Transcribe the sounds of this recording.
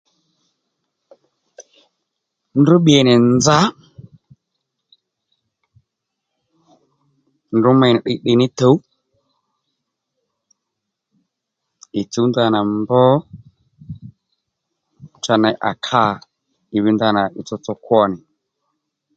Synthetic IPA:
ndu˦ɓi˨ɛ˨nɪ˨nd͡za˦ | ndʊ˦ma˨ɪ˨ɗɪ˨ɗɪ˨nɪ˦to˨˦w | ɪ˨t͡su˦nda˦na˨mbɔ˦ | t͡ʃa˧˨nɛ˨ʔa̰˨kʰa˦ | ɪ˨wi˦nda˦na˨ʔɪ˨t͡sɔ˧t͡sɔ˦kwɔ˦nɪ˨

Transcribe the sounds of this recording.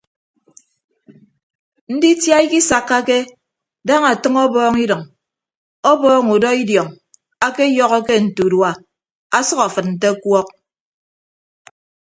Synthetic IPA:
n̩˦di˦tja˦i˦ki˦sa˨kːa˦ke˦ | da˦ŋa˨tɨ˦ŋɔ˦bɔː˦ŋi˦dɨ˨ŋ | ɔ˦bɔː˦ŋu˨dɔ˦i˦djɔ˨ŋ | a˦ke˦jɔ˦ɣɔ˦ke˦n̩˨tu˨dwa˨ | a˨sɔ˦ka˨fɨ˨t̚n̩˨t̬e˦kwɔ˦k̚

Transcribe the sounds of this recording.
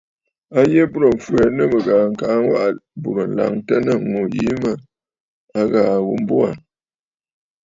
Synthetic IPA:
a˦je˦bu˦ɾə˨ɱ̩˨fwɛ˨nə˦˨bə˨ɣaː˨ŋ̩˨ka˨˦ŋ˦wa˦ʔbu˨ɾə˨n̩˨la̰˨ŋtə˦nə˦˨ŋo˨jḭ˨˦mə˦ | a˦ɣaː˨ɣu˨m̩˦bo˦a˨

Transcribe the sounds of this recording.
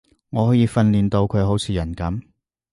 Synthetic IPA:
ŋɔː˨˧hɔː˨˥jiː˨˧fɐ˧nliː˨nt̪o˧wkʰɵ˨˧ɥɦo˨˥wt͡sʰiː˨˧jɐ˨˩nkɐ˨˥m

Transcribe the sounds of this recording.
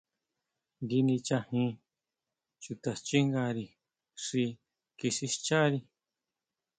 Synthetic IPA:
ɡi˧nĩ˧t͡ʃa˧hĩ˧˦ | t͡ʃu˧˨t̪a˨st͡ʃi˦ŋɡa˧ɾi˨ | ʂi˧ | ki˧ʃi˧ʃt͡ʃa˦ɾi˧

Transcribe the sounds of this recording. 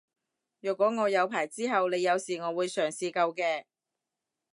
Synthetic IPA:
jœː˨˩kʷːɔː˨˥ŋɔː˨˧jɐ˨˧wpʰaː˨˩jt͡siː˥ɦɐ˨wne˨˧jɐ˨˧wsiː˨˩ŋɔː˨˧wuː˨˧jsœː˨˩ŋsiː˧kɐ˧wkɛː˧

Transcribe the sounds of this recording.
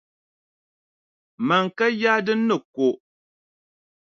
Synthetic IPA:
ma˨ŋ˨ka˦jaː˦dɨ˦n̩ː˦ɨ˨ko˨ʔ

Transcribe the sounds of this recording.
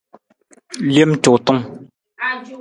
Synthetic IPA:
le˥˨mt͡ɕo˨t̪o˥ŋ

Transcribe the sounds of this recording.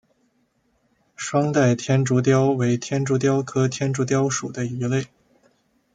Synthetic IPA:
ʂwɑ˥ŋt̪a˥˩ɪt̪ʰjɛ˥nʈ͡ʂu˧˥t̪jɑ˥ʊwe˧˥ɪt̪ʰjɛ˥nʈ͡ʂu˧˥t̪̬jɑ˥ʊkʰɤ˥t̪ʰjɛ˥nʈ͡ʂu˧˥t̪̬jɑ˥ʊʂu˨˩d̪ə˦y˧˥le˥˩ɪ

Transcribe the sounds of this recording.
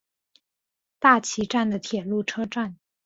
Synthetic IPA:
t̪a˥˩t͡ɕʰi˧˥ʈ͡ʂa˥˩nd̪ə˩t̪ʰjɛ˨˩lu˥˩ʈ͡ʂʰɤ˥ʈ͡ʂa˥˩n

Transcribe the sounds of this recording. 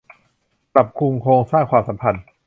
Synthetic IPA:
pɾa˨˩p̚kʰu˧ŋkʰoː˧ŋsaː˥˩ŋkʰwaː˧msa˨˦mpʰa˧n

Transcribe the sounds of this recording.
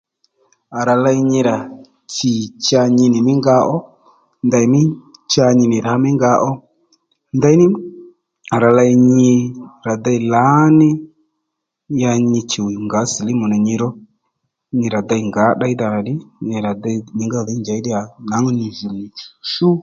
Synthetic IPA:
a˨ɾa˨la˧i˧ɲi˧ɾa˨ | t͡ʃi˨t͡ʃa˧ɲi˧nɪ˨mɪ˦ŋɡa˧˦ʔɔ˦ | nda˧i˨˦mɪ˦t͡ʃa˧ɲɪ˧nɪ˨ɾa˨˦mɪ˦ŋɡa˧˦ʔɔ˦ | nda˦i˦nɪ˦ | a˨ɾa˨la˧i˧ɲɪ˧ɾa˨d̪a˦i˨la˨˦nɪ˦ | ja˧ɲɪ˧t͡ʃi˨wi˨ŋɡa˨˦si˨lɪ˦mu˨na˨ɲi˧ɾɔ˦ | ɲi˧ɾa˨d̪a˧˦i˨ŋɡa˨˦ɗa˦i˦da˨na˨ɗɪ˦nɪ˨ɾa˨da˦˧ɲɪ˨ŋɡa˦˨ði˦nd͡ʒa˨˦i˦dɪ˦a˨na˨˦ŋɔ˦ni˨zu˨mi˨t͡ʃu̥˨ʃu˦

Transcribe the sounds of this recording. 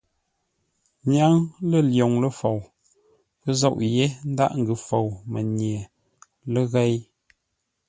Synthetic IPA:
ɲja˦ŋlə˦˨ljo˨ŋlə˦fo˨w | kə˦zɔ˦ʔje˦n̩˦da̰˦˨ʔŋ̩˨ɡɨ˨fo˨wmə˨ɲje˨ | lə˦ɣɛ˦j

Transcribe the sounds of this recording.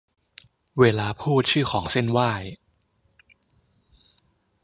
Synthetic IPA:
weː˧laː˧pʰuː˥˩t̪̚t͡ɕʰɯː˥˩xʰɔː˩˦ŋse˥˩nwaː˥˩j

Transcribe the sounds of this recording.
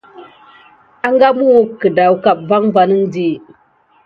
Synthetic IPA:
a˦ŋɡa˦mu˦kə˨da˨wka˨p̚va˦ŋva˨ni˦ŋdi˦

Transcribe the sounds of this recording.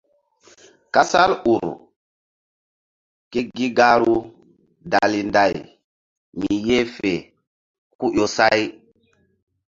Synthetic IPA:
ka˦sa˦lu˨ɾ | ke˦ɡi˦ɡa˦ɾu˦ | da˨li˨nda˨j | mi˨je˦fe˨ | ku˦ʔo˨sa˦j

